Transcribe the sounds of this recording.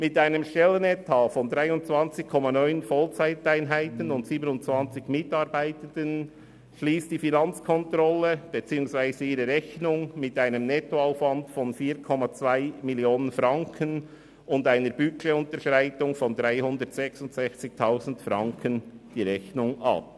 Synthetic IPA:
mɪtaɪnəmʃtɛlənɛtʰaːfɔndʁaɪʊnt͡svɑnt͡sɪkʰɔmɑnɔʏnfɔlt͡saɪtaɪnɦaɪtənʊntsiːbənʊntt͡svɑnt͡sɪçmɪtɑːɾbaɪtənd̥ən | ʃliːstd̥ifinɑnt͡skʰɔntɾɔləb̥et͡siːʊŋsvaɪzəiːɾəɾɛçnʊŋmɪtaɪnəmnɛtoaʊfvɑndfɔnfiːɾkʰɔmat͡svaɪmiljoːnənfɾɑŋkʰən | ʊndaɪnəɾb̥ykeʊntəɾʃʁaɪtʊŋfɔndɾaɪhʊndəɾtsɛksʊntsɛçt͡sɪç̚tʰaʊzn̩tfɾɑŋkʰənd̥iːɾɛçnʊŋʔɑ̰p̚

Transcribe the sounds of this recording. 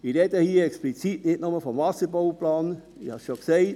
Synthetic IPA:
iɾɛdəhiːəɛksplit͡sitnɪtnʊməfɔmvɑsəboʊplɑːn | ɪhɑsʃokseɪt

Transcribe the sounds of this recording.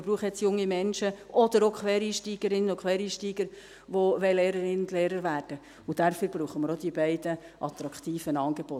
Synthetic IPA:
bɾuːχəjɛt͡sjʊŋːimɛnʃəʔɔd̪əɾokʰχʋɛːɾiːʃtiːɡ̥əɾɪnːənʊkʰχʋɛːɾiːʃtiːɡ̥əɾ | ʋoʋɛleːɾəɾɪnʊnd̥̪leːɾəɾʋæːɾd̥ə | ud̥æɾfyːɾb̥ɾuːχəməɾod̥̪ibɛɪd̥əʔɑt̪ɾɑkt̪iːfənɑːŋɡ̥eb̥o

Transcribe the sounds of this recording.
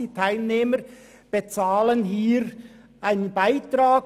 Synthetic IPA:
iːtʰaɪlneːmə | b̥et͡saːlənɦiːɾ | ʔaɪnənbaɪtɾaː

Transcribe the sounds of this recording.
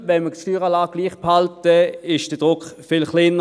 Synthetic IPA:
ʋɛnməstyːʁɑlaːɡ̚ɡliːχphaltəɪʃd̥əd̥ʁʊkfɪlχlɪnːə

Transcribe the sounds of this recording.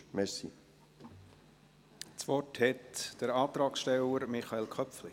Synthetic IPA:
mɛsḭ | t͡sʋɔthɛtd̥əɾɑːt̪ɾɑːksʃtɛləɾmɪχɑeːlkʰχœpfli

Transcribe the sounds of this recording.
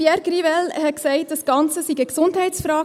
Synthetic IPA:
jɛɾɡrivɛlhɛt̚ksɛɪt̚d̥ɑsɡ̥ɑnt͡səsiɡəksʊndhɛɪt͡sfɾɑː

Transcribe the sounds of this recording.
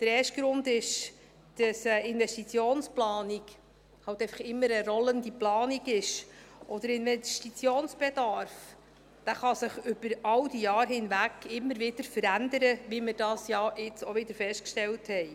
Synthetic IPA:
d̪̥əɾɛːʃt̚ɡ̥ɾʊndɪʃ | d̥ɑsəɪnvɛstit͡sjoːnsplɑːniɡ | hɑltɛɪfəχɪmːəɾəɾɔləndiplɑːniɡɪʃʔɔd̥̪əɾɪnʋɛʃtit͡sjoːnsb̥ed̥ɑɾf | d̥æːχɑsɪχʏb̥əɾɑwdijɑːɾɦhɪnʋækɪmːəɾʋɪd̥əɾfəɾænd̪əɾəʋiməɾd̥ɑːsjɑɪt͡soʋɪd̪əɾfɛʃtkʃtɛlthɛɪ

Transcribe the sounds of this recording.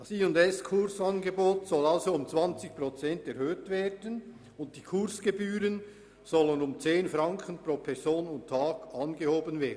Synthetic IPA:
d̥ɑsiːʊndɛskʰʊɾsɑnɡeboːtsɔlɑlzoʊmt͡sv̥ɑnt͡sɪçprot͡sɛntɛɾhøːtveːdən | ʊnt̚d̥iːkʰʊɾsɡ̥ebyːɾən | z̥ɔlənʊmt͡seːnfɾɑŋkʰənproːpʰɛzoːnʊntʰːɑːɡɑnɡehoːbənveːdn̩

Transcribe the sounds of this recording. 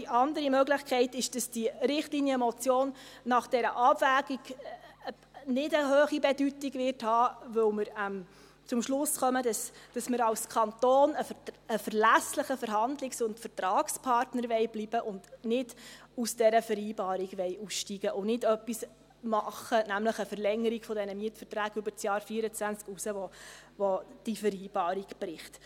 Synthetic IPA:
diʔɑndəɾimœɡlɪχkʰɛɪtɪʃd̥ɑsd̥iɾɪχtlinjəmɔt͡sjoːnːɑχd̥ɛɾəʔɑbvæːɡ̥iɡ | nɪdəɦøːχibɛdytiɡʋɪrthɑːʋɵwməɾəm | t͡sʊmʃlʊsχœmədɑsd̥ɑsməɾɑlskʰɑntoːnəəfəɾlæsləχəfəɾɦɑndlɪksʊntfəɾtɾɑːkspʰɑrtnəɾʋɛɪbliːbəʔʊndnɪd̥usd̥ɛɾəfəɾiːbɑːɾiɡʋɛɪjusʃtiːɡ̥əʔʊnɪdœpːis | mɑχənæmləχəfəɾlɛŋːəɾiɡ̥fɔdɛnəmiətfəɾtɾæːɡʏbəɾt͡sjɑːɾfiəɾət͡sʋænt͡skusəʋɔʋɔd̥ifəɾiːb̥ɑːɾiɡb̥ɾɪχt

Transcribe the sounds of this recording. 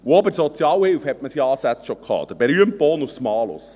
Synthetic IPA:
wɔbəsɔt̪t͡sjɑwewfhɛt̚məsiɑːsæt̪ʃɔkʰɑ̰ːd̥̪əb̥ɛɾyəmpɔːnʊsmɑːlʊ̰s

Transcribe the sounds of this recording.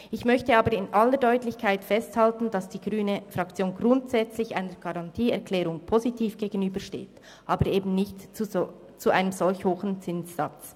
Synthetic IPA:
ʔɪçmœçtəaːbəɾɪnʔalːəɾdɔʏtlɪçkʰaɪtfɛsthaltn̩d̥ɑsd̥iːɡ̥ʁyːnəfʁɑkt͡sjoːnɡʁʊntsɛt͡slɪça̰ɪnəɡ̥ɑʁɑntʰiːɛʁkʰlɛːɾʊŋpʰozitʰiːfɡ̥eːɡənyːbəʃtḛːt | ʔɑːbəɾeːbn̩nɪçtt͡s | t͡suʔa̰ɪnəmzɔlçhoːxən̩t͡sɪnsːɑt͡s

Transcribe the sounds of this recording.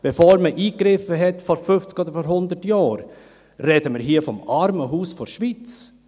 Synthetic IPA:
b̥efoːɾməʔiːkɾɪfəɦɛtfɔɾfʏft͡skoːd̪əɾfɔɾɦʊnd̪ətjɑːɾ | rɛd̥əməɾɦiːəfɔmɑɾməɦuːsfɔɾʃʋit͡s

